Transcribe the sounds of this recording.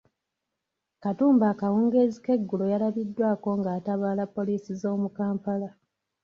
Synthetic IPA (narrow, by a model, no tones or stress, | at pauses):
katuːmbaːkawuːŋɡe̞zike̞ɡːulo̞jalaβidːwaːko̞ŋɡaːtaβaːlapːo̞liːsizo̞ːmukaːmpala